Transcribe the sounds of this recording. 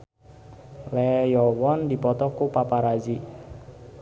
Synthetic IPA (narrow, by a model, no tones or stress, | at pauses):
lɛjɔwɔndi̤pɔt̪ɔkupapaɾazi